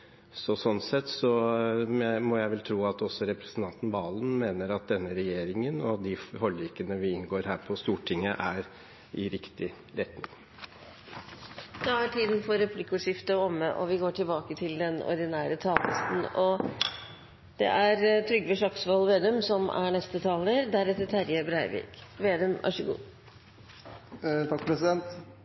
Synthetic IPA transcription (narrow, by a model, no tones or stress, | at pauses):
sɔsɔnsɛt̪sɔ | mɔjæɪʋɛlt̪ʰɾuːɑt̪ɔsːɔɾɛpɾɛsən̩t̪ʰɑnt̪n̩ʋɑːlən̩meːnəɾɑt̪̚d̪ɛnːəɾɛjeːɾɪŋənɔd̪ɪhɔɭiːkənəʋɪɪnɡoːɾɦæːɾpʰɔst̪uːʈʰɪŋːəʔæɾ | ɪɾɪkt̪ɪ | ɾɛt̪nɪŋ | d̪̥ɑæʈʰiːd̪n̩fɔɾɛpʰlɪkːʊʂɪft̪əɔmːəʔɔʋɪɡoːʈʰɪlbɑːkət̪ʰɪld̪ɛnɔ̰ɾɖ̪ɪnæːɾət̪ʰɑːlə̰st̪n̩ɔ | d̪̥ɛ̰ʔæɾt̪ʰɾʏɡʋəʂɑksʋɔlʋeːd̪ʉmsɔmʔæ̰ɳɛst̪ət̪ʰɑːləɾd̪æɾɛt̪ːət̪ʰæɾjəbɾæɪʋɪ̰kʋeːd̪ʉmʋʔɑ̰ʂəɡṵː | t̪ʰɑkːpʰɾɛsɪd̪ɛnt̪